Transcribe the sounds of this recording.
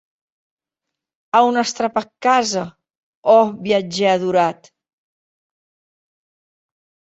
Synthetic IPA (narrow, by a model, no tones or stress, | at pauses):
awnəst̪ɾapakːazə | ɔβiəd͡ʒɛəðuɾat̪